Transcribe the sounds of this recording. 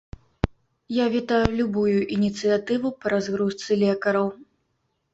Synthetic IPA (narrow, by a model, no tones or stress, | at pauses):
javʲit̪ajulʲubujuʔinʲit̪sɨjat̪ɨvupɐɾazɣɾust̪sɨlʲɛkɐɾɐw